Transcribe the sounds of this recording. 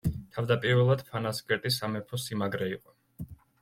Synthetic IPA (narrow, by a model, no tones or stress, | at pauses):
t̪ʰavd̪apʼiɾvɛlˠad̪̥pʰanaskʼɛɾt̪ʼisamɛpʰɔsimaɡɾɛiqʼɔ